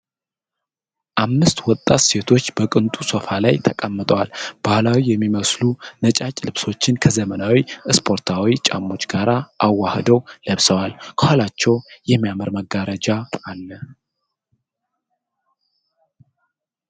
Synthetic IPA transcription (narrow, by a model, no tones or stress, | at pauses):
ʔamːɨst̪wɔt̪ʼːat̪se̞t̪ʰo̞t͡ʃːbəkʼɨnt̪ʼusofalajt̪ʰəkʼəmːɨt̪ʼəwalb̥ahlawijɛmːiməslunət͡ʃʼat͡ʃʼlɨβso̞t͡ʃːɪnkʰəzəmənawiɨspʰo̞ɾt̪ʰawit͡ʃʼa̰mːo̞t͡ʃːɡaɾaʔawːahd̪əwləβsəwalkʰəholat͡ʃːɛwjɛmːijaməɾməɡaɾəd͡ʒaalːə